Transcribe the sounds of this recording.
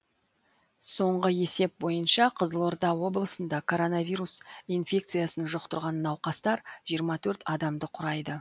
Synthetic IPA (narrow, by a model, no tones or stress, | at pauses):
so̞ɴʁəje̞se̞p̚bo̞jənʃɑqʰəzəlˠo̞ɾd̪ɑwo̞blˠəsənd̪ɑkʰo̞ɾo̞navʲiɾusinfʲe̞k̚t̪sɨjasənʒoq̚t̪əɾʁɑnːɑwqɑst̪ɑɾʒ̥ijəɾmɑt̪ʰɵɾt̪ɑd̪ɑmd̪əqʰʊɾɑjd̪ə